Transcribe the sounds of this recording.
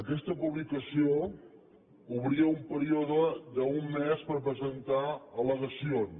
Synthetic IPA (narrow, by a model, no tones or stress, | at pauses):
əkɛst̪əpuβlikəsio | uβɾiəumpəɾioðəd̪əumːespəɾp̬ɾəzənt̪aələɣəsion